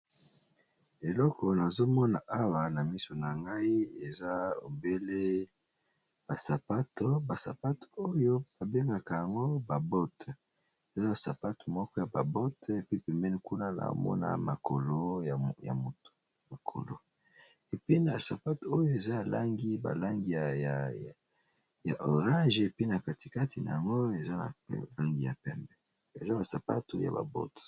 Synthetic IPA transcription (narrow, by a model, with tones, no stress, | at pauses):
e˨lɔ˦kʰɔ˨na˨zo˦mɔ˦na̰˨ʔa˦wa˨na˨mi˦so˨na˨ŋɡa˦i˦e˨za˦o̰˨be˦le˦ | b̥a˨sa˨pa˦to˦ba˨sa˨pa˦to̥˨o˦jo˦ba˨be˦ŋɡa˨ka˨ja˨ŋɡo˦ba˨bɔ˦t | e˨za˦a˨sa˨pa˦to̥˨mɔ˦kɔ˦ja˨ba̰˨bɔ˦te˨pi˦pe˨mɛ˦ni˦ku˦na˦na̰˨mɔ̰˦na̰˨ma̰˨kʰo̰˨lo˦ja˨ja̰˨mo˨to̥˨ | ma˨kʰo̰˨lo̰˨ | e˨pi˦na˨sa˨pa˦to˦jo˦e˨za˦a˨la˦ŋɡi˦ba̰˨la˦ŋɡi˨a˨ja˨ | ja̰˨ʔo˨ʁã˦ʒe˨pi˦na˨ka˨ti˨ka˦tʰi˨na̰˨ja˨ŋɡo˦e˨za˦na̰˨la˦ŋɡi˨ja̰˨pɛ˦mbɛ˦ | e˨za˦ba˨sa˨pa̰˦to˨ja̰˨ba̰˨bɔ̰˦t